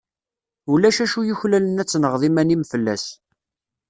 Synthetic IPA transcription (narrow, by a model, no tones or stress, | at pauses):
ulæʃæʃujuçlælənæt͡sːnəʁðˤimænimfəlːæ̰s